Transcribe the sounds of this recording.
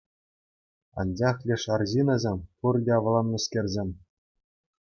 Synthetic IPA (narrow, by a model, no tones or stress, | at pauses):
ɑ̰nd͡ʑɑχlʲĕʂɑrʑinɑzʲemʲpurdʲeʋɤ̆lˠɑnːɤ̆skʲerʲzʲemʲ